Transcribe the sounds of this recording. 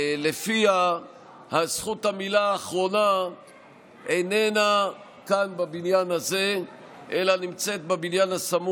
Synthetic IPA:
le̞fia | hasχuthamilaːχʁo̞na | ene̞na | kanbabinjanaze̞ | ʔelanimt͡se̞t̪̚bebinjanasamu

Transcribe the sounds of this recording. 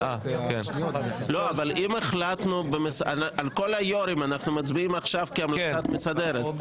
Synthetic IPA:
akenloavalimeχlat̪nubemesaalkolajoɾimanaχnumat͡sbiimaχʃavkiamlasat̪mesad̪eɾet̪

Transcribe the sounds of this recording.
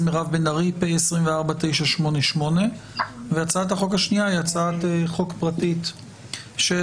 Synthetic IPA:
meʁavbenaʁipeesʁimveaʁbat̪ejʃaʃmo̞neʃmo̞ne̞veat͡saathaχo̞khaʃniaiat͡saat̪eχo̞kpʁatit | ʃe

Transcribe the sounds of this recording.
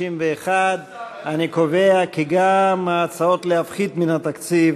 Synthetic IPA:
imveːχad̪ | anikove̞akiɡamaːt͡sao̞t̪leafχid̪minat̪akt͡siv

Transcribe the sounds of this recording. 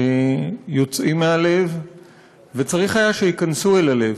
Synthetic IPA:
ejo̞t͡sʔimːeale̞v | ve̞t͡saʁiχajaʃeikansue̞lale̞v

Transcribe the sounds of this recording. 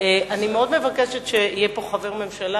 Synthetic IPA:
eanimeo̞d̪mevakeʃetʃeijepo̞χaveʁme̞mʃala

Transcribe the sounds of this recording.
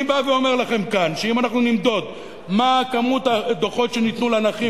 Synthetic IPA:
baveo̞me̞ʁlaχe̞mkanʃeimanaχnunimd̪o̞d̪ | makamut̪ad̪oχo̞tʃenit̪nulanaχi

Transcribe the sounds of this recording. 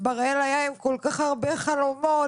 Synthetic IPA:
baʁaelajaemkolkaχaʁbeχalomo

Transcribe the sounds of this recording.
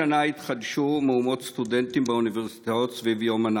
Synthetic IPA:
anait̪χad̪ʃumeumo̞t̪st̪ud̪ent̪imbeuniveʁsi̥t̪aot̪svivjoman

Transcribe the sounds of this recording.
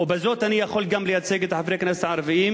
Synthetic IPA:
wbɪzoːt̪ʔanijaxoːlɡamːlɪjat͡seːɡɪt̪ħafɾeːkneːsʕɑɾˤɑvɪjiːm

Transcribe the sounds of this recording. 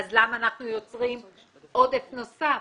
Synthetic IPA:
azlamaːnaχnujo̞t͡sʁim | ʔo̞d̪efno̞sa

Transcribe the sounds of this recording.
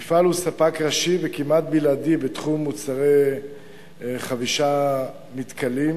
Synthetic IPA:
ifalusapakʁaʃivekimat̪̚biladibet̪χumːut͡saʁe | χaviʃa | mit̪kalim

